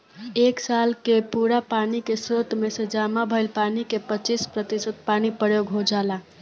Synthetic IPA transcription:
eksalkepuɾapanikesot̪mesẽd͡ʒamabʱəjlpanikepət͡ʃispɾət̪isət̪̚panipəɽeɡʱod͡ʒala

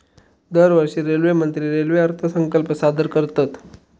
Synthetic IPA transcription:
d̪əɾʋəɾʂiːɾelʋemənt̪ɾiːɾelʋeəɾt̪ʰəsəŋkəlpəsad̪əɾkəɾt̪at̪

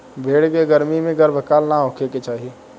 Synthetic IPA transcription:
bʱeːɽkeɡəɾmimẽɡɐɾbʱəkaːlnaõkʰeket͡ʃaːɦie

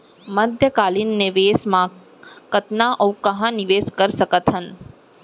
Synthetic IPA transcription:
məd̪ʱjəkalinːeʋesmã | kət̪naʔəwkəɦãniʋeskəɾʃəkət̪ɦən

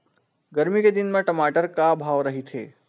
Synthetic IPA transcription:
ɡɐɾmiked̪ɪnmẽʈɐmaːʈəɾkabʱaːʋɾɐɦit̪ʰḛː

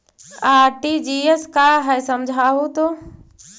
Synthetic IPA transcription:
aːɾʈid͡ʒieskaːɦɛsəmd͡ʒʱaːɦut̪oː

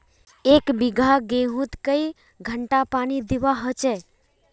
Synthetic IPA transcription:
eːkbɪɡʱaɡeɦũt̪kəi | ɡʱəɳʈapaːnid̪ɪʋaɦət͡ʃɛ

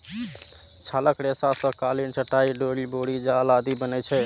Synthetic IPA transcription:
t͡ʃʰaləkɾesasə̃kalint͡ʃəʈaiɖoɽiboɽid͡ʒalad̪ibənɛt͡ʃʰɛ

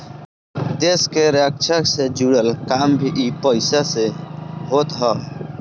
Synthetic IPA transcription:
d̪eskeɾəkt͡ʃʰəksed͡ʒuɽəlkaːmbʱiʔipəɪsaseɦoːt̪ɦəː

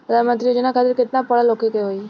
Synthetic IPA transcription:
lamənt̪ɾijod͡ʒənakʰat̪ɪɾket̪napəɭalokikeɦoj

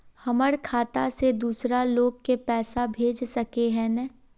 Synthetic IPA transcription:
hɐməɾkʰaːt̪ased̪uːsɾaloːɡ̚kepɛːsabʱeːd͡ʒsɐkeɦɛ̃nɛ

